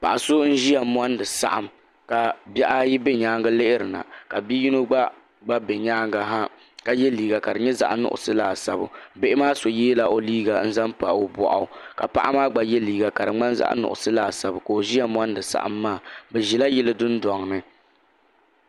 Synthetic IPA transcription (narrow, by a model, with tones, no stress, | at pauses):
pa̰˨ʔa˨so˦n̩˦ʒi˦a˨m˦a˦ndɨ˨sa̰˨ʔa˨m | ka˨bɛ˦ʔa˦ji˦bɛ˦ɲaː˦ŋɡa˦le˦ʔɪ˦ɾɨ˨na̰˨ka˨bi˦ji˦no˦ɡ͡ba˦ | ɡ͡ba˦bɛ˨ɲaː˦ŋɡa˦ɦa˦ | ka˨jɛ˦liː˨ɡa˨ka˨dɨ˨ɲɛ˦za̰˨ʔa˦nʊ̰˦ʔʊ̰˨sɨ˦laː˨sa˨bʊ̰˨be˦ʔɪ˦maː˦so˨jeː˦la˨ʔo˨liː˦ɡa˨n̩˦za˦mpa˨ʔo˦bɔ̰˨ʔa̰˨ʊ˨ka˨pa̰˨ʔa˦maː˦ɡ͡ba˨jɛ˦liː˨ɡa˨ka˨dɨ˨ŋ͡ma˦n˦za̰˦ʔa̰˦nʊ̰˨ʔʊ̰˨sɨ˦laː˦˨sa˨bʊ˨ka˨o˨ʒi˦ja˦m˦a˦ndɨ˨sa̰˨ʔa̰˦mːaː˦˨bɛ˨ʒi˨la˦jɛ˦lɨ˦dʊ˦n˦dɔ˨ŋ˨nɨ˦